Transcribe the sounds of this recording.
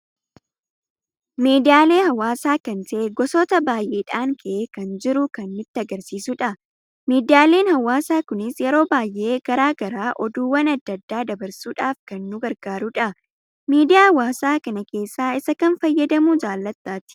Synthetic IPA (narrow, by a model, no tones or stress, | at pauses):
miːd̪ɪjaːle̞ːhɐwaːsaːkɐnt̪ɐʔeɡɔsɔːt̪ɐbaːjʔeːᶑaːŋkʰɐʔekɐnd͡ʒɪɾʊkɐnmɪt̪ːɪɐɡɐɾsiːsʊᶑɐ | miːd̪ɪjaːle̞ːnhɐwːaːsaːkʊnɪsjɛɾo̞ːbaːjʔe̞ːɡ̥ɐɾaːɡɐɾaːʔɔd̪uːwɐnɐd̪ːɐd̪ːaːd̪ɐbɐɾsuːᶑaːfkɐnːʊɡɐɾɡaːɾʊᶑɐ | miːd̪ɪjaːɐwaːsaːkɐnɐke̞ːsːaːɪsɐkɐnfɐjːɐd̪ɐmud͡ʒaːlːɐt̪ːaːt̪ɪ̥